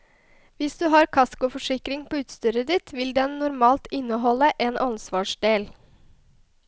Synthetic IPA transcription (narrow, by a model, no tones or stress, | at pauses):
ʋɪsd̪ʉːɦɑːɾkʰɑskʊfɔʂɪkɾɪŋpʰoːʉːt̪st̪yːɾəd̪ɪt̪ʋɪld̪ɛnːʊɾmɑːlt̪ɪnːəɦɔləʔeːnʔɑnsʋɑːʂɖ̪eːl